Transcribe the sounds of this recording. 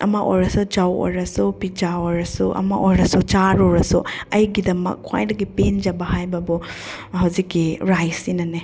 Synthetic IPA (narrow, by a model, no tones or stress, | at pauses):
ɐ̰maʔo̰jɾɐsud͡ʒawo̰jɾɐsupid͡ʒaoɾɐsuʔɐ̰maʔojɾɐsut͡ʃaɾoɾɐsuɐjɡidɐmɐ̰kʰːwa̰jdɐɡipend͡ʒɐbɐhajbɐbu | hɐwzikːiɾajsinɐne